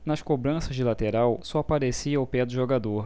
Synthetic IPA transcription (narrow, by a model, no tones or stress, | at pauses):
nɐsʃkobɾɐ̃sɐzd͡ʒɪlat̪eɾawsɔapaɾesiɐʊpɛd̪ʊʒoɡad̪oɾ